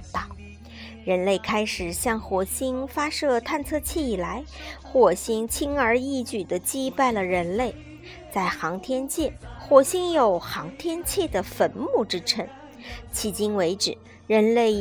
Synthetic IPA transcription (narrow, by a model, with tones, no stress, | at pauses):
t̪ɑ˥˨˩ | ɻə˧˥nle˥˩ɪkʰa˥ɪʂɻ̩˨˩ɕjɑ˥˩ŋxwɔ˧˥ɕi˥ŋfa˥ʂɤ˥˧t̪ʰa˥˩nt͡sʰɤ˥˧t͡ɕʰjɛ˥˩i˨˩la˧˥ɪxwɔ˥˩ɕi˥ŋt͡ɕʰi˥ŋə˞˧˥i˥˧t͡ɕy˨˩d̪ə˦t͡ɕi˥pa˥˩ɪlə˩ɻə˧˥nle˥˩ɪ | t͡sa˥˩ɪxɑ˧˥ŋt̪ʰjɛ˥nt͡ɕʰjɛ˥˩xwɔ˨˩ɕi˥ŋjo˨˩ʊxɑ˧˥ŋt̪ʰjɛ˥nt͡ɕʰjɛ˥˩d̪ə˩fə˧˥nmu˥˩ʈ͡ʂɻ̩˥ʈ͡ʂʰə˧˥ŋ | t͡ɕʰi˧˥t͡ɕi˥ŋwe˧˥ɪʈ͡ʂɻ̩˨˩˦ | ɻə˧˥nle˥˩ɪ